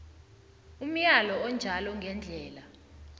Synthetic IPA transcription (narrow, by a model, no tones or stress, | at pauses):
um̩jalɔɔnd͡ʒʱalɔŋɡʱɛnd͡ɮʱɛːla